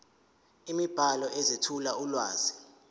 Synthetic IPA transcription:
imib̥ʱalɔʔɛzetʰulaulwa̰ːzi

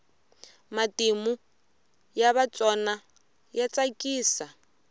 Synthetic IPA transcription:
matimu | jaβat͡sʼɔna | jat͡sʼakʼiːsa

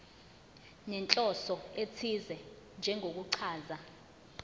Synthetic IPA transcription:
nɛnt͡ɬʼɔsɔet͡sʰizɛ | nd͡ʒʱɛŋok̬uǀʰaːza

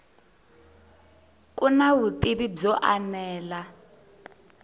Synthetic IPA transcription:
kʼunaβut̪iβib͡ʐɔʔanɛːla

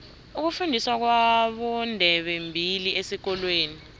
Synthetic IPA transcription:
uk̬ufundʱiswak̬waɓɔndʱɛɓɛmbʱiliʔesik̬ɔlweːni

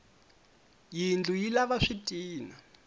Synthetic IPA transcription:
jind͡ɮujilaβaʂitʼiːna

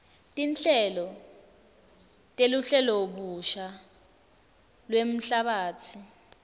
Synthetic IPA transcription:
tʼint͡ɬʼɛlɔ | tʼeluɬɛloɓuʃa | lwem̩ɬaɓaːt͡sʰi

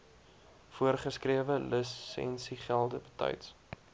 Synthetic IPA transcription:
fuərχəskriəvələsːɛ̰nsiχælˠdəbətœ̰jts

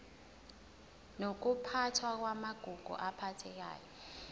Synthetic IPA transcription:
nok̬upʰatʰwak̬wamaɡ̥ʱuɡ̥ʱṵʔapʰatʰɛk̬a̰ːjɔ

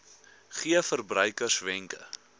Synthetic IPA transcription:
χiəfərbrœjkərsvɛŋkə̰

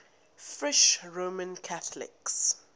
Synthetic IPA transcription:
fɹɪʃɹomə̃nkʰaθlɪ̰ks

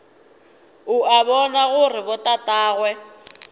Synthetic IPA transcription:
ʊaβɔnaɣʊrɪbɔtʼatʼaːɣwɛ

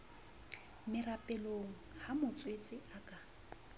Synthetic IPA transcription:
mɪrapʼɛloŋ̩hamʊt͡sʼwet͡sʼɪakʼa

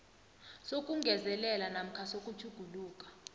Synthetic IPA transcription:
sokʼuŋɡʱɛzɛlɛlanam̩kʰasokʼut͡ʃʰuɡ̥ʱuluːkʼḁ

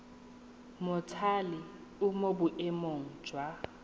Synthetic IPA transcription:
mʊtʰalɪ | ʊmobʊʔɛmoŋ̩d͡ʒwa

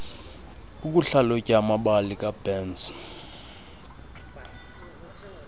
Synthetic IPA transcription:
uk̬uɬalocʼamaɓalikʼab̥ɛːns

